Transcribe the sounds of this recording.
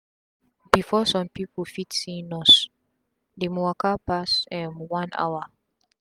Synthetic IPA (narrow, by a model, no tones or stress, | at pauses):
b̥ifɔsɔ̃mpipʰolfitsĩnɔs | demuakapasɛ̃mwãna̰wa